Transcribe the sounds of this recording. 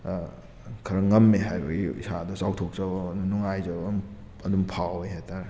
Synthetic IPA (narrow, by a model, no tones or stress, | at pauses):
kʰɐɾɐŋɐmːeɦajbɐ̰ɡiḭsadɐsawtʰok̚zɐbɔnuŋajzɐbm | ɐdumpʰaweɦajtʰaɾe